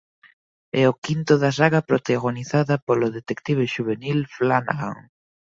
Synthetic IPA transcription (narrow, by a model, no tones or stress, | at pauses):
ɛʊkint̪ʊðɐs̬aɣɐpɾot̪aɣoniθaðɐpolʊðet̪ekt̪iβ̞eʃuβenilflana̰ɣa̰ŋ